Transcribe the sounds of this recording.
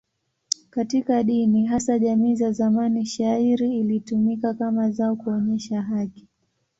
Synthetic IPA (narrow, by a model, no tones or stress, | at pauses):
katikaɗiniɦasaʄamiːzazamaniʃaiɾiːlitumikakamazaɔkuɔɲɛʃaɦaki̥